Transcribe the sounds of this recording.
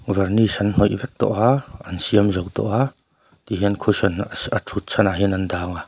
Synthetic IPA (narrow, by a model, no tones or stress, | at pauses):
vɛrnisɐnn̥ɔjʔvɛk̚t̪ɔ̰ʔaʔɐnsiəmzɔwt̪ɔ̰ʔa | t̪iɦinkʰusɔnɐtʰut̪̚sʰɐnaɦinɐndaːŋa